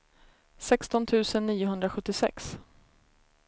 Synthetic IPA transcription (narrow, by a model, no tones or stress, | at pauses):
sɛkst̪ɔnt̪ʰʉ̟ːsənːiːʊɦɵnd̪ɾaɧɵt̪ːɪsɛ̰ks